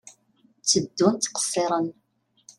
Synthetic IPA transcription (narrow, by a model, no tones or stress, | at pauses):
t͡sːəd̪ːunt̪qə̥sːɪɾˤən